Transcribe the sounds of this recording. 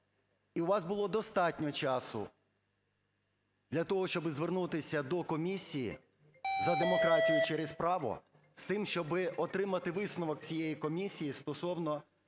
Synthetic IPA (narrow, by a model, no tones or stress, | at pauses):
iʊʋɑzbʊlˠɔd̪ɔst̪ɑtʲnʲɔt͡ʃɑsʊ̰ | d̪lʲɐt̪ɔɦɔʃt͡ʃɔbɪzʋernut̪ɪsʲɐd̪ɔkɔmʲisʲijḭ | zɐd̪emɔkɾɑtʲijʊt͡ʃeɾespɾɑʋʊ̰ | st̪ɪmʃt͡ʃɔbɪʔɔt̪ɾɪmɐt̪ɪʋɪsnʊʋɔk̚t͡sʲijejikɔmʲisʲijist̪ɔsɔwnɔ